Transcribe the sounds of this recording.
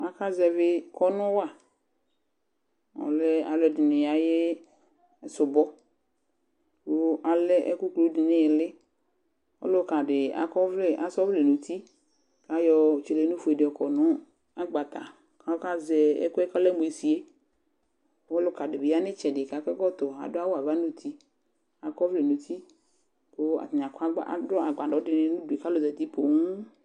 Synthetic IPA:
a˨ka˦zɛ˨vɪ˦kɔ˦nʊ̃˦wa˨ | ɔ̰˨lɛ˦a˨lɔ˨dɪ˨nɪ̃˨ja˨je˦˨ | sʊ˨bɔ˦ | wo˦a˨lɛ˦ʔɛ˦ku˦klo˨˦dɪ˨nɪ̃˦˨lɪ˦ | ɔ̰˦lʊ˦ka˨dɪ˨a̰˨kɔ˦vle˦ʔa˨sɔ˦vle˨nũ˨t̪ʰi˦ | ka˨jɔ˨t͡ʃe˨le˨˦nũ˦fʊ˨e˨dɪ˨ɔ˨kɔ˨nʊ̃˦ | a˦ɡ͡ba˨t̪a̰˨ | ka˦o˦ka˦zɛ˨ḛ˦ku˦ɛ˦kɔ˦lɛ˦mu˨e˨si˨e˦ | wo˦lo˦ka˨ɖɪ˨be˨˦a˦nɪ̃˦t͡ʃɛ˨ɖɪ˨ka˨kɛ˦kɔ˦t̪ɔ˨a̰˨dʊ˦a˦wo˦a˨va˦nũ˦t̪ʰi˦ | a˨kɔ˦vle˨nũ˨t̪ʰi˦ | ko˦a̰˨t̪ɲ˨ã˨ka˦a̰˦˨dɔ˦a˨ɡ͡ba˨ɖɔ˨˦dɪ˨nẽ˦nũ˦du˨e˨ka˦lo˨zɛ˨d̪i˦po˨ŋũ˦

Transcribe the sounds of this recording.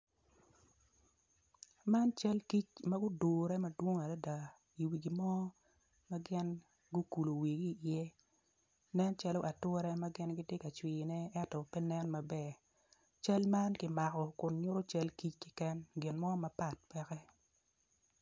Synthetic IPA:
ma˦nt͡ʃa˦lki˦t͡ʃma˦ɡʊ˦do˨ɾɛ˦ma˦dwo˦ŋa˨da˦da˨ | i˨wi˨ɡi˨mɔ˦ | ma˦ɡɪ˦n | ɡʊ˦ku˨lo˨wi˨ɡi˦˨jɛ˦ | nɛ˦nt͡ʃa˦lo˦ʔa˨tʊ˦ɾɛ˦ma˦ɡɪ˦nɡɪ˦dɪ˦ka˨t͡ʃwi˨nɛ˦ɛ˦tɔ˨pɛ˦nɛ˦nma˨bɛ˦ | t͡ʃa˦lma˦nkɪ˨ma˨kɔ˨kʊ˨nɲʊ˦ɾo˦t͡ʃa˦lki˦t͡ʃkɪ˦kɛ˦nɡɪ˨nmɔ˦ma˦pa˦˨t̚pɛ˦kɛ˦

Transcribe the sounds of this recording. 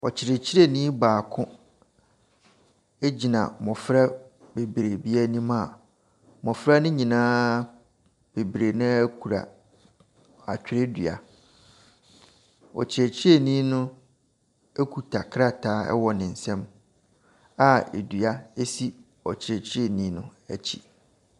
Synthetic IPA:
ɔ˨t͡ɕʰɪ˨ɾe˨t͡ɕʰi˦ɾe˦nĩ˦baː˨kʰʊ̃˦ | e˦d͡ʑi˨nã̰˨mɔ̃˨fɾa˦be˨bɾe˨bi˦a˦nĩ˦mã˦˨ | mɔ̃˨fɾa˦nʊ̃˦ɲĩ˨nãː˦ | b̥e˨bɾe˨nɪ̃˦æ˦kʰu˨ɾa̰˨ | a̰˨t͡ɕᶣɪ˦ɾe˦dɥa̰˨ | ɔ̰˨t͡ɕʰɪ˨ɛ˨t͡ɕʰe˨nĩ˦nʊ̃˦ | e˦kʰu˨tʰa˨kʰɾa˦tʰaː˨˦ɛ̰˦wɔ˨nɪ̃˨n̩˨sɛ̃˦m | a˨ḛ˨dɥa˦e˦si˦ | ɔ˨t͡ɕʰɪ˨ɾɛ˨t͡ɕʰɪ˦e˨nĩ˦nʊ̰̃˦æ˦t͡ɕʰḭ˦

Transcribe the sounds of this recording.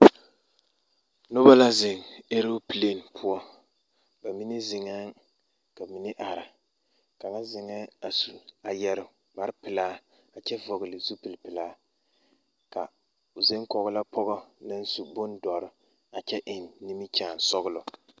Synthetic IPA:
nʊ˦ba˦la˦zɪ˨ŋe˦ɾo˦pi˨le˦˨npʰʊ˦ɔ˦ | ba˨mi˦nɪ˦zɪ˨ŋa˦ŋ | ka˨mi˨nɪ˦ʔa˨ɾɪ˨ | ka˨ŋa˦zɪ˨ŋɛ˦a˨su˨a˨jɛ˦ɾɪ˦ | ba˨ɾɪ˦pɪ˨laː˦ | a˨t͡ʃɛ˦vɔ˨ɡɪ˨lɪ˨zu˦pi˨lpɪ˨laː˦ | ka̰˨ | zɪ˦ŋkɔ˨ɣʊ˦la˦pʰɔ˦ɣɔ˦nɨ˦n˦su˦bʊ˦n˦dɔ˨ɾɪ˨ | a˨t͡ʃɛ˦ʔɪ˨nːi˦mi˦t͡ʃaː˨n˨sɔ˦ɣʊ˦lɔ˨

